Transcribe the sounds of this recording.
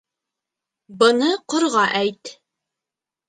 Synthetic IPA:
bɤ̆nɤqŏɾʁɑʔæjt̪

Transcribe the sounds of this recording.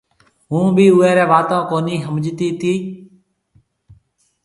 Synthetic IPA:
ɦũːbʱiːʊːɛːɾɛːʋaːt̪õːkoːniːɦəmd͡ʒt̪iːt̪iː

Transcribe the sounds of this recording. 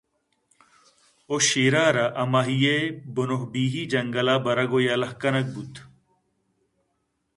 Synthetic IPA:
oɕiːɾaːɾɐʔɐmaɦijebonoɦbiːɦiːd͡ʒɐŋɡɐlaːbɐɾɐɡojaːlɐhkɐnɐk̚but̪ʰ

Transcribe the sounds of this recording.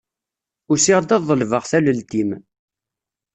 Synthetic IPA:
ʊɾsiʁd̪æðˤːəlvəʁθæləlt̪im

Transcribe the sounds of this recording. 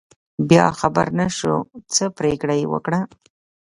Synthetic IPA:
bjɑxaba̰ɾnaʃṵt͡səpɾekɽajwə̰kɽa

